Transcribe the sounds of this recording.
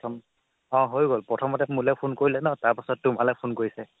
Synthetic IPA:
tʰɔm | ɔ̃ɦojɡolpɹɔtʰɔmɔtɛmulɛpʰunkoɹilɛnɔtaɹpasɔtːʊmalɛpʰunkoɹisɛ

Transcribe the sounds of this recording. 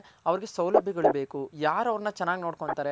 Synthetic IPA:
ɐʋɐɾiɡe̞sɐwlɐbʱːiɡɐɭube̞ːkujaːɾɐʋɾɐnːɐt͡ʃɛnːaːɡinoːɽkoɳt̪aːɾe

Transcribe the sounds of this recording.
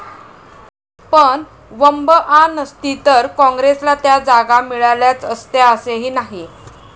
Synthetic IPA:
pəɳ | ʋəmbəʔanəst̪it̪əɾkɔ̃ŋɡɾeslat̪jad͡zaɡamiɭaljat͡səst̪jaəseɦiːnaɦi

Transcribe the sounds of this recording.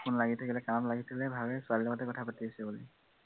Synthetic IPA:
kʊnlaɡitʰakilɛkanɔtlaɡitʰakilɛbʱabɛsalilamɔtɛkɔtʰapatiasɛbuli

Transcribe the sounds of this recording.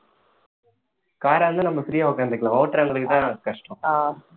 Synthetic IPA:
kaːɾaːɐnd̪ɯnɐmbɐsɪɾɪjaːʊkːaːnd̪ɪkːɭãːɐʋʈːɐɾɐŋɡɐɭɯkːɯt̪ãːnãkɐʂʈõaː

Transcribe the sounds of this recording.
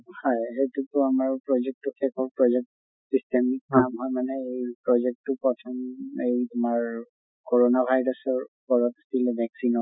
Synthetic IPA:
hɔjɦejtutʊamaɹpɹɔzɛk̚tukʰɛkʰɔɹpɹɔzɛk̚t | sistemik̚amɦɔjmanɛejpɹɔzɛk̚tʊpɹɔtʰɔmejumaɹ | koɹɔnabʱajɹɔsɔɹkɔɹɔtasilɛbʱɛksinɔ

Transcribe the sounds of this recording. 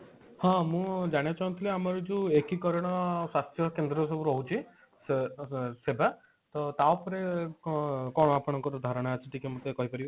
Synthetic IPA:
hɔ̃mũd͡ʒaɽ̃iat͡ʃaũnt̪ʰileamɔɾɔd͡ʒũekikɔɾɔɽ̃ɔswast̪ʰjɔkend̪ɾɔsɔbuɾɔɦut͡ʃʰi | s | seba | t̪ɔt̪aopɔɾe | kɔɽ̃ɔapɔɽ̃ɔŋkɔɾɔd̪ʱaɾɔɽ̃at͡ʃʰiʈikemũt̪ekɔɦipɔɾib

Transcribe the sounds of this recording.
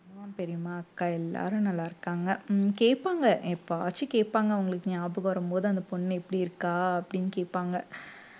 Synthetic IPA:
maːpɛɾɪjmaːɐkːaːɛlːa̰ːɾɯ̃nɐlːaːɪɾɯkːaːŋɡɐkeːʈpːaːŋɡɐʔɛpːoaːt͡ʃːikeːʈpːaːŋɡɐʋɐŋɡɐɭɯkːɯɲaːbɯkːɐʋɐɾɐmpoːðɯɐnd̪ɐpɔnːɛpːɐɽiɪɾɯkːaːɐpːɐɽɪnːkeːpːaːŋɡɐ

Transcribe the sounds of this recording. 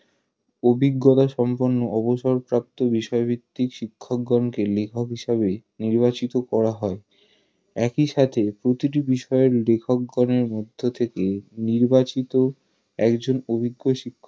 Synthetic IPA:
obʱiɡːot̪aʃɔmpoɾnːoɔboʃɔɾpɾap̚t̪obiʃɔebʱit̪ːikʃikʰːok̚ɡɔnkelekʰokɦiʃaβeniɾbat͡ɕit̪okɔɾaɦɔe | ɛkiʃat̪ʰepɾot̪iʈ̬ibiʃɔeɾlekʰok̚ɡɔneɾmod̪ʱːot̪ʰekeniɾbat͡ɕit̪o | ɛkd͡ʑonobʱiɡːoʃikʰː

